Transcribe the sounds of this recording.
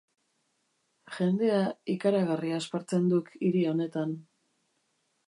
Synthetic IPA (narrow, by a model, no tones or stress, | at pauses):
ʝe̞nd̪e̞aikaɾaɣariaːspaɾt͡se̞nd̪ukiɾio̞ne̞t̪an